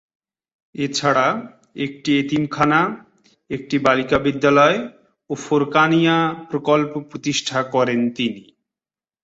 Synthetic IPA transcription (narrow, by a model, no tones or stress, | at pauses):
et͡ɕʰaɽa | ek̚ʈiet̪imkʰana | ek̚ʈibalikabid̪ːalɔe | ofoɾkanijapɾokolpopɾot̪iʃʈʰakɔɾent̪ini